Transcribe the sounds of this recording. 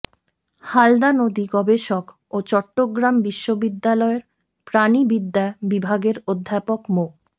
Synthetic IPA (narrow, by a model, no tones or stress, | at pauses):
hald̪anod̪iɡɔbeʃok | ot͡ɕɔʈːoɡɾambiʃːobid̪ːalɔeɾ | pɾanibid̪ːaebibʱaɡeɾod̪ʱːapokmo